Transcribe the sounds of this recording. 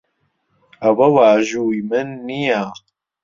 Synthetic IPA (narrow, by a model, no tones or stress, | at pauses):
ɐwɐwaːʒujimɨnːijaː